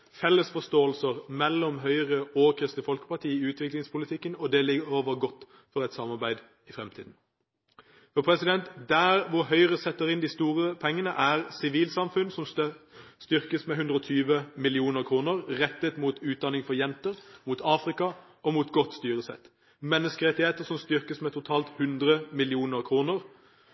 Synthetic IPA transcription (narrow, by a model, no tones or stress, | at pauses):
fɛlːəsfɔst̪oːəlsəʁmɛlːɔmɦœʏʁəoːkʰʁɪst̪əfɔlkə̥pɑʈʰiːɪʉːt̪ʰʋɪklɪŋspʊlɪt̪ʰɪkːənɔd̪ɛlɪɡəʁoːʋəʁɡɔt̪ː | fɔʁɛt̪sɑmɑʁbæɪd̪ | ɪfɾɛmt̪ʰḭːd̪n̩ | fɔpʰɾɛsɪd̪ɛnt̪d̪æːʁʋʊɾɦœʏʁəsɛt̪ːəʁɪnd̪ɪst̪uːʁəpʰɛŋːənə̰ʔæːʁsɪʋiːlsɑmfʉnsɔm | st̪ʏʁkəsmɛɦʉnd̪ʁəɔt̪ʰyːʋəmɪlɪuːnəʁkʰʁuːnəʁʁɛt̪ːət̪muːt̪ʉːt̪̚d̪ɑnɪŋfɔʁjɛnt̪əɾmuːt̪ʰɑːfʁɪkɑ | ɔmuːt̪ɡɔt̪ːst̪yːʁəsɛ̰t̪ː | mɛnːəskəʁɛt̪ːɪheːt̪əʁsɔmst̪ʏɾkəsmɛt̪ʰʊt̪ʰɑːlt̪hʉnd̪ʁəmɪlɪuːnəʁkʰʁuːnəʁ